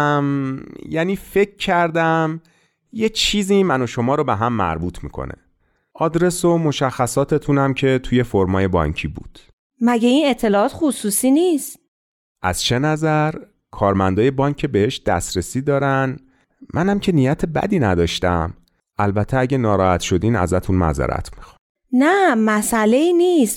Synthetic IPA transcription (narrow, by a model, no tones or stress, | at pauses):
mjæniːfe̞kʰːæɾd̪æm | je̞t͡ʃʰiːzimæno̞ʃo̞mɒːɾobeɦæmːæ̰ɾbuːt̪ʰmḭːkʰo̰nʔḛ | ʔɒːd̪ɾe̞somo̞ʃæxːæsɒːt̪ʰe̞t̪ʰunæmcʰe̞t̪ʰuje̞foɾmɒːje̞bɒ̰ːɲcʰiːbṵːd̪̥ | mæɟeinet̪ʰːe̞lɒɒːt̪xusuːsiːnist̪ | ʔæ̰z̥t͡ʃʰe̞næzæɾ | kʰɒːɾmænd̪ɒːje̞bɒːŋkʰːebehe̞ʃd̪̥æ̰sɾesiːd̪ɒːɾæn | mʔænæmcʰe̞niːjæt̪ʰe̞bæ̰d̪iːnæd̪ɒːʃt̪æ̰m | ʔælbæt̪ʰːeæɟenɒːɾɒːhæt̪ʃo̞d̪iːnæ̰zæt̪ʰunmæ̰zæ̰ɾʔæ̰t̪ʰmi̥xɑ̥ | næmæsæleiːniːst̪